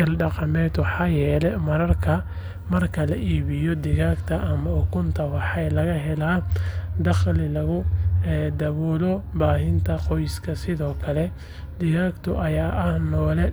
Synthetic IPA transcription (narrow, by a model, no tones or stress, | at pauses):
ɐlɖɑqɑmɛːd̪wɑħɑːjɛːlɛmɐɾɐrkʰɐ | mɐrkʰɐlɐʔiːβɪjɔd̪ɪɣaːɡt̪ʰɐʔɐmɐʊkʰʊnt̪ʰɐwɑħɛjlɐɣɐɦɛlaːd̪ɑχlɪlɐɣʊɛːd̪ɐβɔːlɔbaːɦɪnt̪ʰɐqɔjskʰɐsɪðɔːkʰɐlɛ | d̪ɪɣaːkt̪ʰʊʔɐjaːʔɐhnɔːlɛ